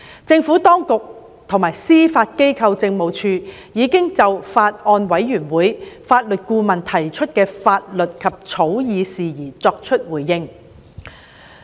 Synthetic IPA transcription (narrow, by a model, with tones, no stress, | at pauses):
t͡sɪ˧ŋfuː˨˥t̪ɔː˥ŋkʊ˨k̚ | t̪ʰʊ˨˩ŋmaː˨˩jsiː˥faː˧t̚ke˥jkʰɐ˧wt͡sɪ˧ŋmo˨wt͡ʃʰyː˧ | jiː˨˧kɪ˥ŋt͡sɐ˨wfaː˧t̚ʔɔː˧nwɐ˨˥jːyː˨˩nwuː˨˥jfaː˧t̚lɵ˨t̚kuː˧mɐ˨˩nt̪ʰɐ˨˩jt͡ʃʰɵ˥t̚kɛː˧faː˧t̚lɵ˨t̚kʰɐ˨p̚t͡ʃʰo˨˥wjiː˨˧siː˨˩jiː˨˩t͡sɔː˧k̚t͡ʃʰɵ˥t̚wuː˨˩jːɪ˥ŋ